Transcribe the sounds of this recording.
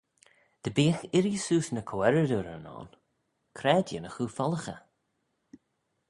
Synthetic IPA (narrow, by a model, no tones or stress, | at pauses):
d̪̥əbiːxɪɾisuːsnəkʰowɛɾəd̪uɾənɔ̰ːn | kʰɾɛːd̪jə̰nəxuːfɔləxə̰